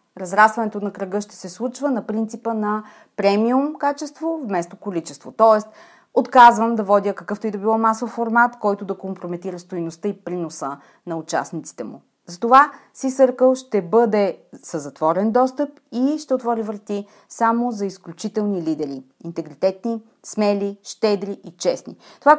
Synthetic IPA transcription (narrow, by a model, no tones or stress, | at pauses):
ɾɐzɾasvɐnɛt̪onɐkɾɐɡɤʃt̪ɛ̥sɛslˠut͡ʃvənɐpɾint̪sipənɐ | pɾɛmiumkat͡ʃɛst̪vovmɛst̪okolit͡ʃɛst̪vot̪ɔɛst̪̚ | ot̪kazvəmd̪ɐvɔd̪ʲəkɐkɤft̪oid̪obilˠɔmasofːoɾmat̪kɔjt̪ʊd̪ɐkompɾomɛt̪iɾəst̪ojnost̪ɤipɾinosə | nɐʊt͡ʃa̰snit̪si̥t̪ɛmṵ | zɐt̪ovasisɤɾkəlˠʃt̪ɛbɤd̪ɛsəzɐt̪vɔɾɛnd̪ɔst̪əp | iʃt̪ɛot̪vɔɾivɾət̪i | samozɐisklʲut͡ʃit̪ɛlˠnilid̪ɛɾiint̪ɛɡɾit̪ɛt̪ni | smɛliʃt̪ɛd̪ɾiʔit͡ʃɛsnḭt̪ova